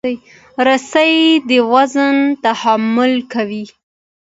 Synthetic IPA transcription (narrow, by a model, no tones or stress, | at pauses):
j | ɾasajd̪əwazənt̪ahamʊlkawi